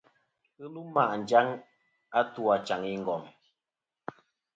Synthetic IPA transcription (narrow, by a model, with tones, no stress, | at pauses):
ɨ˦lu˦ma˦˨ʔn̩˨d͡ʒa˦ŋ | a˦tu˦a˨t͡ʃa˨ŋi˦ŋ̩˨ɡɔ˨m